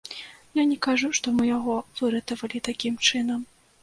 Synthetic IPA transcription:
janʲɛkaʐuʂt̪ɔmɨjaɣɔvɨɾɐt̪ɐvɐlʲit̪akʲimt͡ʂɨn̪ɐm

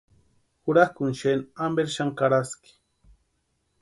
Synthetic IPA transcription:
xʊɾakʊnʃenambeɾʃaŋkaɾaski̥

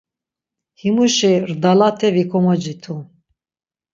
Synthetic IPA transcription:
himuʃɛrd̪alat̪ʰɛvikʰɔmɔd͡ʒit̪ʰu

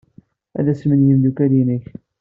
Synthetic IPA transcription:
æ̰ðæsmənjənd̪ukælinəç

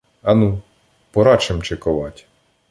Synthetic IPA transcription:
ɐnu | pɔɾɑt͡ʃemt͡ʃekɔʋɑtʲ

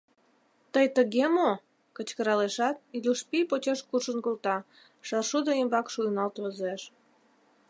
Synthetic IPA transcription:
t̪əjt̪əɣemo | kət͡ɕkəɾɑleʃɑt̪̚iluʃpipot͡ɕeʃkuʃənkolt̪ɑ | ʃɑrʃud̪oimbɑkʃunɑlt̪vəzeʃ

